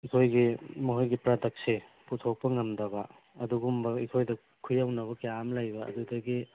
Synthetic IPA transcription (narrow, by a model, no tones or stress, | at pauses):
ikʰojɡimɐɦojɡipɾadɐk̚siputʰok̚pɐŋɐmdɐbɐ | ɐduɡumbɐikʰojdɐ | kʰujawnɐβɐkeamlajbɐɐ̰dudɐɡi